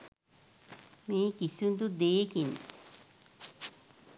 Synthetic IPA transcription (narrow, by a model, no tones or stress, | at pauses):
mẽkisund̪ud̪ekin